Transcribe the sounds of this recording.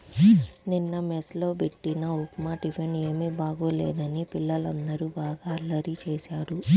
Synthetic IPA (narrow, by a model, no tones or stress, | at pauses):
ninːɐmeslo̞ːbeʈːinɐupmaːʈifene̞ːmiːbaːɡoːlḛːd̪ɐnipilːɐlɐnd̪ɐɾubaːɡaːɐlːɐɾit͡ʃeːsaːɾu